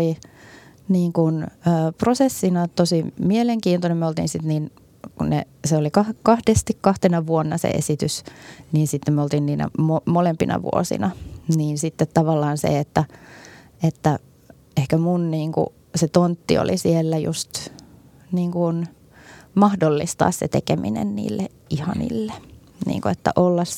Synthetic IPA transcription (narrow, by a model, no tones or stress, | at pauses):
li | niːŋkunøːprosesːinɑt̪osimieleŋkiːnt̪onemøolt̪ḭːnsit̪niːn | kunnḛ | seolikɑhkɑhdest̪ikkɑht̪enɑʋuonːɑsḛʔḛsit̪ysniːnsit̪ːemøolt̪iːnniːnæ̰momolempinɑ̰ʋṵo̰sḭnɑniːnsit̪ːet̪tɑʋɑlːɑːnsḛet̪ːæ | et̪ːæ | ehkæmunniːŋkṵ | set̪ont̪ːḭo̰lʔisielːæjṵst̪ | niːŋkun | mɑhdolːist̪ɑ̰ːssḛt̪ekemḭnḛnnḭːlːe | ihɑnḭlːe | nḭːŋkuet̪ːæ̰ʔolːɑs